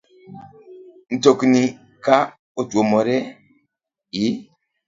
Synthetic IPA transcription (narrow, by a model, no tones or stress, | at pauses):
n̩tokni | ka | otomɔɾɛ | i